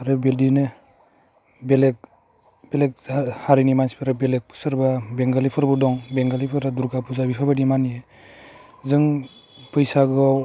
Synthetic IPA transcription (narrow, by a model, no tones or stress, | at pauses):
aɾɯbeldine | belek̚ | belek̚ahaɾinimanspʰiɾabelek̚pʰɯ̥sɯɾbabeŋɡalipʰɯɾbudɔŋbeŋɡalipʰɯɾaduɾɡapʰuzabipʰabadimanie | zɯŋ | pɯjsaɡ